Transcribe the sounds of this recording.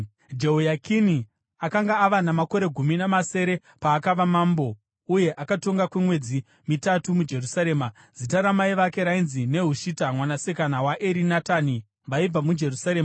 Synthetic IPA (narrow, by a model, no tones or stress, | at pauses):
d͡ʒeɦojakʰini | akaŋɡaːʋanamako̞ɾe̞ɡʱuminamase̞ɾe̞ | paːkaʋamaːmbo̞ | uje̞ʔakato̞ŋɡakwemwe̞d͡zi | mitatumud͡ʒe̞rusaɾe̞ːma | d͡zitaɾamaiʋake̞ɾainzine̞ɦuʃitamwanasekanawaʔeɾinatani | ʋaib͡vamud͡ʒe̞rusaɾe̞ːma